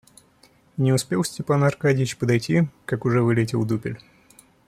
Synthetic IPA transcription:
nʲɪʊspʲelˠsʲtʲɪpanɐrkadʲɪjɪt͡ɕpəd̪ɐjtʲikakʊʐɛvɨlʲɪtʲɪlˠd̪upʲɪlʲ

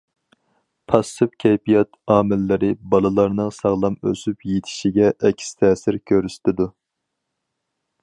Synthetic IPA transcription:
pʰɑsɨpkʲʰɛjpijɑt̪ʰɑːmɪlːɪɾɪbɑlˠɨlˠɑɾnɨŋsɑʁlˠɑmø̰sypjet̪ʰɪ̥ʃiɡʲɛʔɛkʲʰːi̥st̪ʰɛːsɪɾkʲʰøɾyst̪ɪd̪u

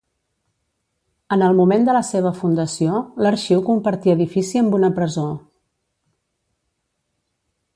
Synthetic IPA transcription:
ənəlˠmumend̪ələseβ̞əfund̪əsioləɾʃiwkumpəɾt̪iəðifisiəmbunəpɾəzo

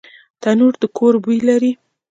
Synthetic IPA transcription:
t̪anuɾd̪əkʰoɾbujlaɾi

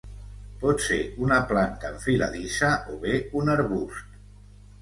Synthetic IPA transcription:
pɔt̪sḛunaplant̪aɱfila̰ðisaʔoβeunəɾβust̪

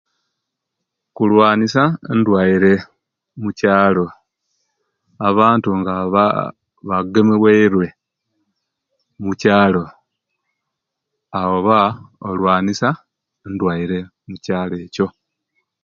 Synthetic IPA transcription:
kulwaːnisandwaiɾe̞ | mucaːlo̞ | aβaːntuŋɡaβa̰ | βaɡemeweiɾwe̞ | mucaːlo̞ | awoβao̞lwaːnisa | endwaiɾe̞ | mucaːle̞ːco̞

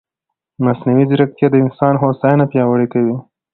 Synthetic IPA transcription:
masnawid͡ʒɾak̚t̪jad̪əɪnsɑnɦosɑjnapjɑwəɽekawi

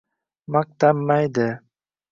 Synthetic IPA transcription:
mak̚t̪amːajd̪ɪ

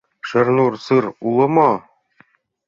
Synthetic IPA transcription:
ʃɘ̆ɾnuɾsɯɾulˠɤ̆mɑ

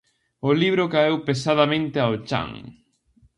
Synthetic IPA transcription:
ʊliβɾʊkaewpesaðamẽnt̪ɪaʊt͡ʃa̰ŋ

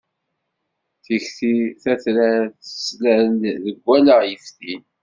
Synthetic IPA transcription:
θiçθiθæθlæθə̥slænðəɡʷːæləʁjəfθi

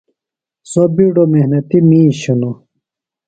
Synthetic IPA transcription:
sobiɖomehnɐt̪imĩːɕuno

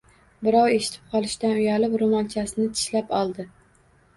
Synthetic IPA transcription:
bɪɾɒwe̞ʃɪ̥t̪ʰɪ̥p̚qʰɒlˠɪʃt̪anʊjalɪpɾomɒlˠt͡ʃʰasɪnɪt̪ʰɪ̥ʃlapɒlˠd̪ɪ

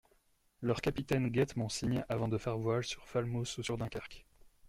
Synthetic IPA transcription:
lœʁkapit̪ɛnɡʲɛt̪mɔ̃siɲavɑ̃d̪əfɛʁvwalsyʁfalmosusyʁd̪ɛ̃kʲaʁk

